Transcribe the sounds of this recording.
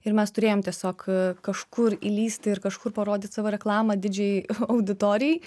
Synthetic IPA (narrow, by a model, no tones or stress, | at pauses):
ɪɾmʲɛst̪ʊɾʲeːjoːmt̪ʲiɛsʲoːkkɐʃkʊɾilʲiːsʲt̪ʲɪɪrkɐʃkʊrpɐɾoːd̪ʲɪt̪sɑːʋoːɾʲɛklˠɑːmɐd̪ʲɪd͡ʒʲɛjɐʊd̪ʲɪt̪oːɾʲɪjɛɪ